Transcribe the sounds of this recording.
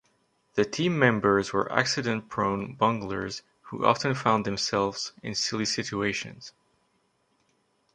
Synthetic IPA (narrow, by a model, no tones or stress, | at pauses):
ðɨtʰĩmːɛ̃mbə˞zwə̰˞ʔæ̰ksɨɾɨ̃npʰɹ̥õʊ̃nbʌ̃ŋɡlə̰˞z̥ | hṵʔɑ̰fɨ̃nfãʊ̃nðɨ̃msɛlˠvz̥ɪ̃nsɪlˠisɪt͡ʃueɪʃɨ̰̃nz̥